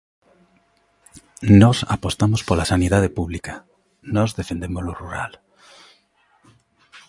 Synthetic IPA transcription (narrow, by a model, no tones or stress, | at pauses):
nɔsapost̪amospolasaniðað̞epuβlika | nɔzðefend̪emoloruɾa̰l